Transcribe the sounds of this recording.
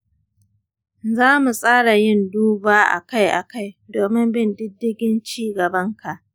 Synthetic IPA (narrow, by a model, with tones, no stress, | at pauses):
zaː˦mu˨sʼaː˦ɽa˨jɪ˦nduː˦baː˦ʔa̰˨ka˦jʔa̰˨ka˦˨jdoː˨mɪ˦mbɪ˦ndɪ˦dːɪ˦ɡʲɪ˦nt͡ʃiː˦ɡɐ˨bɐ˦ŋkʰa˨ʔ